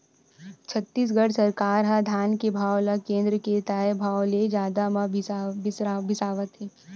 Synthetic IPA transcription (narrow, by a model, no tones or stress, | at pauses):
t͡ʃʰɐt̪ːiːs̬ɡɐɽsɐɾkaːɾɦãd̪ʱaːnkebʱaːwlakẽːnd̪ɾəket̪aːebʱaːwled͡ʒjaːd̪amãbsbʱɪsaːʋət̪ɦeː